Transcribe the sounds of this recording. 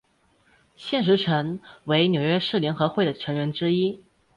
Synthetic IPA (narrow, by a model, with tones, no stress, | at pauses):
ɕjɛ˥˩nʂ̬ɻ̩˧˥ʈ͡ʂʰə˧˥ŋwe˧˥ɪnjo˨˩ʊɥɛ˥ʂɻ̩˥˩ljɛ˧˥nxɤ˧˥xwe˥˩ɪd̪ə˩ʈ͡ʂʰɤ˧˥ŋɥɛ˧˥nʈ͡ʂɻ̩˥i˥